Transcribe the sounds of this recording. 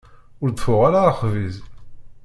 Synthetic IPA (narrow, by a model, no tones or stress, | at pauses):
ʊɾd̪əfʊʁaɾaχviz